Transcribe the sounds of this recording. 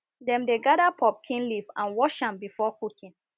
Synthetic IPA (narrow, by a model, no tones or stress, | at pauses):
dɛ̃mdeɡadapʰɔp̚kʰĩnlivãnwɔʃãmbifɔkukĩn